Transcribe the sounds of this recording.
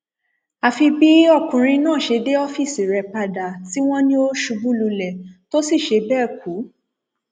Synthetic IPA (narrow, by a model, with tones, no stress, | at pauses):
a˨fi˧bi˦ɔ˦˨kũ˨ɾ̃ĩ˧nãː˦˨ʃe˧de˦ɔ˦fi˦˨si˨ɾɛ˨pa˧da˨ti˦w̃ɔ̃˦nĩ˦o˦ʃu˨˧bu˦lu˧lɛ˨to˦si˦˨ʃe˧˦bɛː˦˨ku˨˦